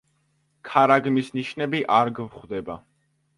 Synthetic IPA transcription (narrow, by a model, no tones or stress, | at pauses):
kʰaɾaɡmisniʃnɛbiʔaɾɡvχd̪ɛba